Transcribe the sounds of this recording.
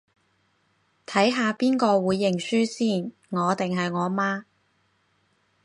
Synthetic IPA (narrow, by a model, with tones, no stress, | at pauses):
t̪ʰɐ˨˥jɦaː˨˧piː˥nkɔː˧wuː˨˧jːɪ˨˩ŋsyː˥siː˥˩n | ŋɔː˨˧t̪ɪ˨ŋɦɐ˨jŋɔː˨˧maː˥